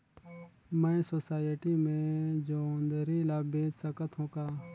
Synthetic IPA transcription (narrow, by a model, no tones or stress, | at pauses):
mə̃ẽsoːsaːjəʈiːmẽd͡ʒoːnd̪əɾiːlaːbẽːt͡ʃsəkət̪ʰɦõːkaː